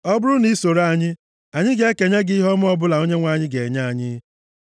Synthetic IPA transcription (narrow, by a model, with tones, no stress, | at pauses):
ɔ˦bʊ˦ɾʊ˦ni˦so˨ɾa˦˨ɲɪ˦ | a˨ɲɪ˦ɡe˦e˦ke˨ɲa˦ɡi˦ɦɔ˦m˦ɔ˦bʊ˦la˨o˦ɲe˦ŋʷa˨ɲɪ˦ɡe˨ɲa˦a˨ɲɪ˦